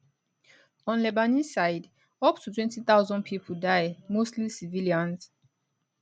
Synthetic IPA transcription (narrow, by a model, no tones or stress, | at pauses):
ɔ̃nlɛbanisajd | ɔptʰutwɛ̃ntiθawzɔ̃n̚pʰipʰudajmostlisiviliãns